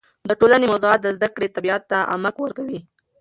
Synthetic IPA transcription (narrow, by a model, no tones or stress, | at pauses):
d̪əʈolanemawzuɑt̪̚d̪əzd̪akɽet̪abiɑt̪̚ːaʔa̰makwəɾkawi